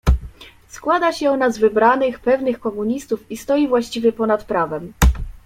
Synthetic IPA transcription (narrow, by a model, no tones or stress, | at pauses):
skwad̪aɕɛɔnazvɘbɾanɘxpɛvnɘxkɔmuɲist̪ufist̪ɔjivwaɕt͡ɕivʲjɛpɔnat̪pɾavɛm